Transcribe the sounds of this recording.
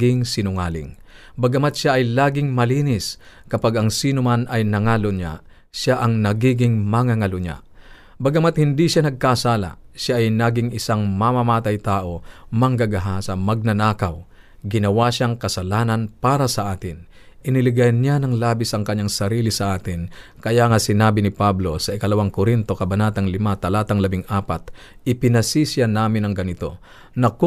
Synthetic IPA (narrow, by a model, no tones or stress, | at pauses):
ɪŋsɪnʊŋaːlɪ̰ŋ | bɐɡɐmat̪ʃaʔːjlaːɡɪŋmɐliːnɪskɐpaɡɐŋsiːnʊmanʔɐjnɐŋaːloɲa̰ | ʃaʔɐŋnɐɡiːɡɪŋmɐŋaŋɐloɲa̰ | bɐɡɐmat̪̚hɪnd̪iʃanɐɡ̚kasaːla̰ʃaʔːjnaːɡɪŋɪsaŋmamamaːt̪ajt̪aːʔo̞mɐŋɡaɡɐɦasɐmɐɡ̚nɐnaːkɐw | ɡɪnɐwaʃaŋkɐsɐlaːnɐnpaːɾɐsɐʔaːt̪ɪn | ʔɪnɪlɪɡajnɲanɐŋlaːbɪsʔɐŋkɐɲːaŋsɐɾiːlɪsɐʔaːt̪ɪnkɐjaŋasɪnaːbɪnɪpablo̞sɐʔɪkɐlɐwaŋkoɾint̪o̞kɐbɐnaːt̪ɐŋlɪmat̪ɐlaːt̪ɐŋlɐbɪŋʔaːpat̪̚ | ɪpɪnɐsisjanaːmɪnɐŋɡɐnɪt̪o̞̰ | nɐk